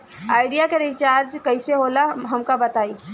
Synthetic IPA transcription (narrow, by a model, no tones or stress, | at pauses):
aːɪɖijakeɾɪt͡ʃaːɾd͡ʒkɐɪseɦoːlaɦɐmkabɐt̪aːiː